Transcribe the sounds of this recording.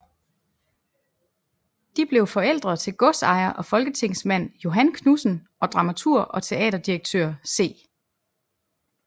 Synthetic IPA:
d̥ib̥le̝ʊfɒ̽el̰d̥ʁɐðˠt͡sʰe̝lɡ̥ɔ̽sɑ̈ɪɐʔɒ̽fɒ̽lɡ̥ət͡sʰe̝ŋ̰smæn̰jo̝ɦænkʰnusn̩ʔɒ̽d̥ʁɑ̈mæt͡sʰuɐ̰ʔɒ̽t͡sʰe̝ɛ̰ːdɐd̥ieɡ̥̚t͡sʰø̰ɐse̝̰ː

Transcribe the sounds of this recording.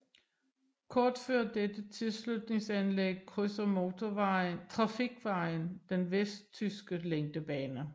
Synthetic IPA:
kʰɒːd̥føɐd̥ed̥ət͡sʰe̝lslud̥ne̝ŋsænleɡ̥̚kʰʁøsɐmo̝t͡sʰoʋɑɪnt͡sʰʁɑ̈fiɡ̥ʋɑ̈ɪnd̥enʋesd̥̚t͡sʰysɡ̥əleŋd̥əb̥ɛːnə

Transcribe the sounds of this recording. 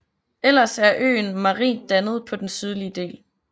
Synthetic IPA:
elɐsæɐʔø̰ːnmɑ̈ʁḭːnd̥ænəð̞̩ˠpʰɒ̽d̥ensyð̞ˠliəd̥e̝̰ːl

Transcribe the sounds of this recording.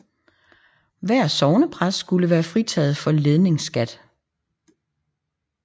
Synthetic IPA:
ʋæɐ̰sɒʊnəpʰʁasːɡ̥uləʋæːɐfʁit͡sʰɛ̰ð̩ˠfɒ̽le̝ð̞ˠne̝ŋsɡ̥æd̥

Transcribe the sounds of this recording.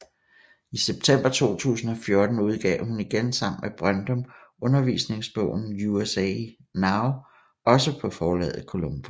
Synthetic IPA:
iseb̥̚t͡sʰem̰b̥ɐt͡sʰo̝̰ːt͡sʰṵːsn̩ɒ̽fjo̝ɐd̥n̩uð̞ˠɡ̥ɛ̰ʊ̰huniɡ̥ensɑ̈m̰n̩meb̥ʁɶnd̥ɔ̽mɔ̽nɐʋḭːsne̝ŋsb̥ɔ̰ʊ̰n̩uesɛ̰ | nɑ̈ʊ | ɒ̽səpʰɒ̽fɒːlɛ̰ːð̩ˠkʰo̝lomb̥o

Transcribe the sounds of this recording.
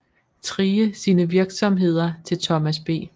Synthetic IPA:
t͡sʰʁiːəsiːnəʋiɐɡ̥sɒ̽mɦe̝ð̞̰ˠɐt͡sʰe̝lt͡sʰɒ̽mæsb̥e̝̰ː

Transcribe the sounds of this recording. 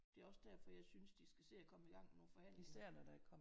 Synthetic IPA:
d̥e̝æɐɒ̽sd̥æɐ̰fɒ̽jɑ̈ɪsynsd̥isɡ̥æse̝̰ːɒkʰɒ̽məiɡ̥ɑ̈ŋ̰no̝ːfɒ̽hæn̰lisæɐ̰nɒd̥ɑkʰɒ̽m

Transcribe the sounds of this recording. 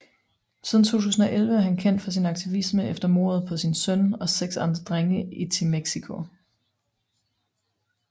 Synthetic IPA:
siðˠn̩t͡sʰo̝̰ːt͡sʰuːsn̩ɒ̽ʔelʋəæɐɦhænkʰen̰d̥fɒ̽sinɑ̈ɡ̥̚t͡sʰiʋisməefd̥ɐmo̝̰ɐð̞̩ˠpʰɒ̽sinsœnɒ̽seɡ̥sɑ̈nd̥ʁɐd̥ʁeŋəit͡sʰe̝meɡ̥sikʰo̝

